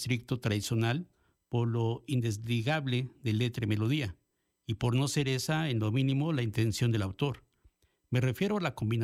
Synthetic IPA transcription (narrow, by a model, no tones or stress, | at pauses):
t̪ɾik̚t̪ot̪ɾaðisjo̞nal | poɾloind̪ezliɣaβleðe̞le̞t̪ɾemelo̞ð̞ia | ipo̞ɾno̞se̞ɾesaenlo̞mĩnĩmo̞laint̪e̞nsjo̞nd̪e̞lawt̪o̞ɾ | me̞re̞fje̞ɾoalako̞mbina